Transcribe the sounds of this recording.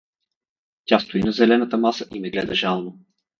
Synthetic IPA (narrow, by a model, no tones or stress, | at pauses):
tʲast̪oinɐzɛlɛnət̪əmasəʔimɛɡlɛ̰d̪ɐʒalˠno